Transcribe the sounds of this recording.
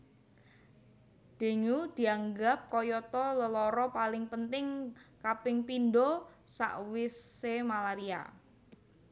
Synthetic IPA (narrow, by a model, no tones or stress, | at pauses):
d̪̥e̤ŋud̪̥i̤aŋɡap̚kɔjɔt̪ɔləlɔɾɔpalɪŋpənt̪ɪŋkapɪŋpindosa̰ʔwɪsemalaɾia̰